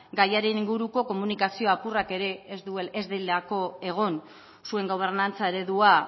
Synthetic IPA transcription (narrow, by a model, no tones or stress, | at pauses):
ɡajaɾe̞niŋɡuɾuko̞ko̞munikasio̞apurake̞ɾe̞ːzd̪ue̞lezðejld̪eako̞e̞ɣ̞o̞n | sue̞ŋɡo̞β̞e̞ɾnant͡sae̞ɾe̞ðua